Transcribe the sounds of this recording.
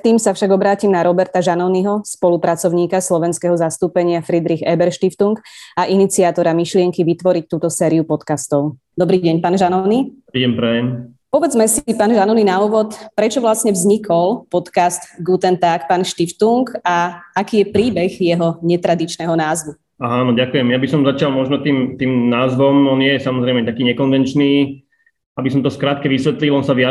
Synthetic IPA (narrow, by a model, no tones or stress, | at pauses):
t̪iːmsafʃaɡɔbɾaːcimnaɾɔbɛɾt̪aʒanɔniɦɔspɔlupɾat͡sɔʊɲiːkaslɔʋɛnskɛɦɔzast̪uːpɛɲɪafɾid̪ɾiɣɛbɛɾʃt̪ift̪uŋkaʔinit͡siaːt̪ɔɾamiʃlɪɛŋkiʋit̪ʋɔɾic̚t̪uːt̪ɔsɛːɾiupɔt̪kast̪ɔʊ | d̪ɔbɾiːɟɛɲpaːnʒanɔnipɾiːɛmpɾɛjɛm | pɔʋɛd͡zmɛsipaːnʒanɔninauːʋɔt̪pɾɛt͡ʃɔʋlasɲɛʋzɲikʰɔlpɔt̪kast̪ɡut̪ɛnt̪akpaːnʃt̪ift̪uŋkaakiːjɛpɾiːbɛxjɛɦɔɲɛt̪ɾad̪it͡ʃnɛːɦɔnaːzʋu | aɦanɔɟakujɛmjabisɔmzat͡ʃɪalmɔʒnɔt̪iːmt̪iːmnaːzʋɔmɔnɪjɛjɛsamɔzɾɛɪmɛt̪akiːɲɛkɔnʋɛnt͡ʃniː | abis̬ɔmt̪ɔskɾaːt̪̚kɛʋisʋɛt̪lilˠɔnsaʋɪa